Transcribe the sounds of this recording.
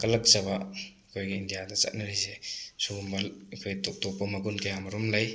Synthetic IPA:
kɐlɐk̚t͡ʃɐbaɐkʰojɡiːndijadɐt͡ʃa̰t̚nɐɾijsesuumbɐlɐkʰojtok̚tɔk̚pːɐmɐɡunkajamɐɾumlaj

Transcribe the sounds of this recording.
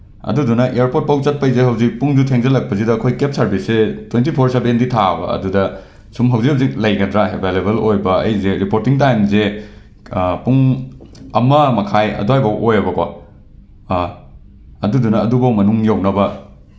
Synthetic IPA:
ɐ̰dudunɐʔeaɾpot̚pawt͡ʃɐt̚pɐjzeɦɐwzik̚puŋd͡ʒutʰeŋzɐlɐk̚pɐzidɐːkʰojkep̚sɐɾbisːetwentipʰoɾsebenditʰabɐ̰ɐ̰dudɐ | sumɦɐwzikhɐwzik̚lɐjɡɐdɾaɦebʱelebelojbɐɐ̰jzeɾipoɾtiŋtajmze | puŋ | ɐmɐmɐkʰajɐ̰duɦajbɐwʔojɐbɐkwa̰ | ɐdudunɐːdubɐwmɐnuŋjawnɐbɐ

